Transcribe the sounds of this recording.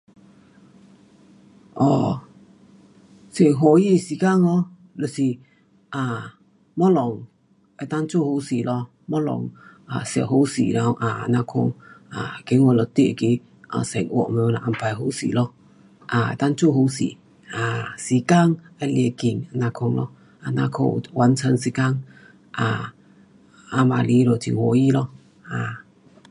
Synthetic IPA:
ʔɔ˨ | se˨ɦo˨ji˦˧si˨ka˦˨ŋɔ˧˦ | lə˨si˨ | aː˨ | mɔ˦lɔ˨ŋ | ɛ˨t̪a˦nt͡ʃo˦˨ho˧˦si˨lɔ˧ | mɔ˦lɔ̰˨ŋa̰˨sja̰˧˨ɦo˧˦wsḭ˨ɾa˧˦wʔa˨˧˨na˧kʰo̰˧ŋa˨ke˨˦ŋwɔ˧˨lɔ˧˨t̪e˧˨ki˧˦ | a̰˧˨sɛ˨ŋwɔ̰˧˨ʔme˧wna˨ʔa˧mpa˧jɦo˧˦sḭ˨lɔ˧ | ʔa̰˨˧˨t̪a˦ŋt͡so˦˨ɦo˧˦wsḭ˨ | a˨si˨ka˦ŋa˧lje˧ki˨˩ŋa˧˨na˧kʰɔ˧ŋlɔ̰˧ | a˧na˧kʰo̰˧˨wʔa˨˦nt͡sʰə˧ns̬i˧ka˦ŋ | ʔa˨ | a˧ma˨li˧˦˧ɾo˨t̪ʰḭ˨wɔ˨ji˦lɔ˧ | a˨

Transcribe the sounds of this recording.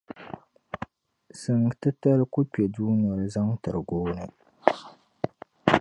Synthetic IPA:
sɨ˨ŋ˨tɨ˦ta˦ɾɨ˦ku˦pɛ˨duː˦nɔ˨ɾɨ˦za˦ŋ˦tɨ˨ɾɨ˨ɡoː˦nɨ˦

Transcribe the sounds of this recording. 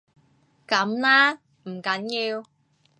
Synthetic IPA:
kɐ˨˥mlaː˥ | m̩˨˩kɐ˨˥njiː˧w

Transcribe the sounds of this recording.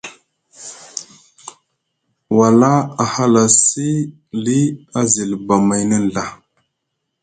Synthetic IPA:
wa˨la˦a˨ha˦la˨si˦ | li˦a˦zi˨lba˨ma˨jnə˦n˨ɮa˨

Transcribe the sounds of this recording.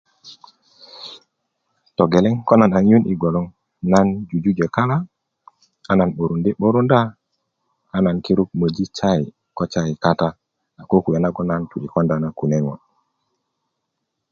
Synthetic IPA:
to˨ɡe˨le˦ŋko˦na˨na˨ŋ˦ju˦ni˨ɡo˨lo˦ŋ | na˦nd͡ʒu˨d͡ʒu˦d͡ʒe˨ka˦la˦ | a˦na˨nɓo˨ɾu˨nde˦ɓo˦ɾu˦nda˦ | a˦na˨nki˦ɾu˦k̚mə˨d͡ʒi˦t͡ʃa˦i˨ | ko˦t͡ʃa˦i˨ka˦ta˦ | a˨ko˦ku˨ja˨na˦ɡo˦na˦ntu˨ɾi˨ko˦nda˦na˦˨ku˨ne˦ŋo˨n

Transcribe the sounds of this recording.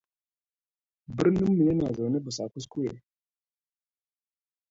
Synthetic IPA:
bə˦ɾnu˦mːi˨je˦na˨za˨wne˦bə˨sa˨ku˦s̬ku˦jḛ˨

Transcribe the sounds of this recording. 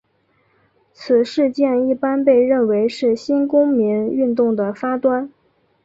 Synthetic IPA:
t͡sʰɹ̩˨˩ʂɻ̩˥˧t͡ɕjɛ˥˧ni˥˩pa˥npe˥˧ɪɻə˥˩nwe˧˥ɪʂɻ̩˥˩ɕi˥nkʊ˥ŋmi˧˥ŋy˥˧nt̪ʊ˥˩ŋd̪ə˩fa˥t̪wa˥n

